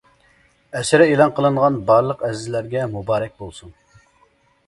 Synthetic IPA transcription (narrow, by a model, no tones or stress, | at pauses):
ɛsɪɾɪelˠɑnqəlˠɨɴʁɑnbɑɾlˠəqɛzɪzlæɾɡʲɛmubɑːɾɛk̚ʲbolˠsuŋ